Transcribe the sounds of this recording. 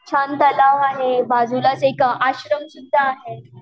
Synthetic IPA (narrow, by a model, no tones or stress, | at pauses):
t͡ɕʰant̪əlaʋaɦebad͡zulasekaʔaɕɾəmsud̪ʱːaːɦe